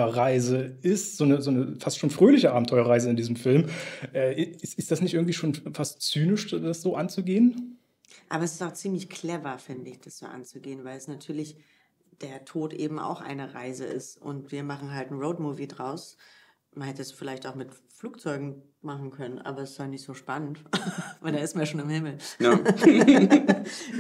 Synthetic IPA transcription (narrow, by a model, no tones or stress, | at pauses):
ɐʁaɪzəɪstz̥oːnəzoːnəfastʃoːnfʁ̥øːlɪçəʔaːbm̩tʰɔʏɐʁaɪzəɪndiːzəmfɪlmʔɛːʔɪɪsɪsd̥asnɪçtʔɪɐŋ̩tv̥iːʃoːnfastt͡syːnɪʃd̥asz̥oːʔant͡suɡeːən | ʔa̰ːbɐɛsɪ̥staʊxt͡siːmlɪçkʰl̥ɛvɐfɪndəɪçd̥asz̥o̰ːʔa̰nt͡suɡeːənvaɪlsnatʰyːɐlɪç | d̥eːɐtʰoːtʔḛːbm̩ʔa̰ʊxʔa̰ɪnəʁaɪzəʔɪ̰stʔʊ̰ntv̥iːɐmaχn̩ɦaltn̩ʁoʊdmuːvidʁaʊs | manhɛtəsfɪlaɪçtaʊxmɪt | fluːk̚t͡sɔʏɡŋ̩ | maχn̩kʰœnənʔa̰ːbɐsɪshaltnɪçtz̥oːʃpanəntvaɪldaːɪstmanjaʃ̬oːnɪmhɪml̩